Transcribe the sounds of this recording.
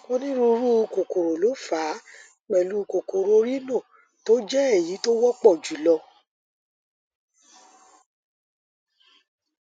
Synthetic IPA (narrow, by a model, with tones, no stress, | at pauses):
o˦nĩ˦ɾu˧ɾu˦˧ko˨ko˨ɾo˨lo˨˦faː˨˦ | k͡pɛ˨lu˦˧ko˨ko˨ɾo˧˦ɾi˦nõ˦˨ | to˦d͡ʒɛ˦ɛ˦˨ji˨˦to˦wɔ˦k͡pɔ˦˨d͡ʒu˨˦lɔ˧